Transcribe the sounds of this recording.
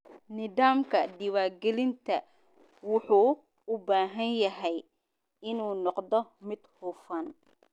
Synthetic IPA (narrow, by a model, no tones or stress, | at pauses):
nɪðaːmkʰɐɖɪwaːrɡɛlɪnt̪ʰɐ | wʊħuː | ʊbaːɦɐnjɐɦɛj | ɪnuːnɔqd̪ɔmɪd̪̥hʊfɐn